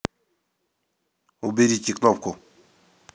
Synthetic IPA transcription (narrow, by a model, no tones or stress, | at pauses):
ubedit͡ʃiklɔp̚ko